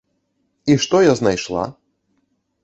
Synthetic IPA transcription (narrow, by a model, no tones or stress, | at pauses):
iʂt̪ɔjaznajʂlˠa̰